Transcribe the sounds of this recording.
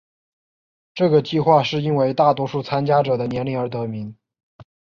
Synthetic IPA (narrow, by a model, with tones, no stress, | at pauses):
ʈ͡ʂɤ˥˩ɡə˩t͡ɕi˥˧xwa˥˧ʂɻ̩˥˩i˥nwe˧˥ɪt̪a˥˩t̪wɔ˥ʂu˥˩t͡sʰa˥nt͡ɕja˥ʈ͡ʂɤ˨˩d̪ə˦njɛ˧˥nli˧˥ə˞˧˥t̪ɤ˧˥mi˧˥ŋ